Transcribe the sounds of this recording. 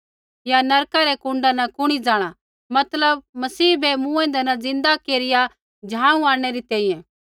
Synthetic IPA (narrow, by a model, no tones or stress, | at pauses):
janɐɾkaɾɛkʊ̃ɳɖanɐkʊɽ̃id͡zaːɽ̃a | mɐt̪ləb̚mɐsiːbɛmũːɛ̃nd̪ɛnɐd͡zɪ̃nd̪akeːɾɪja | d͡ʒʱãːũaːɽ̃ɛɾit̪ɛːĩjɛ̃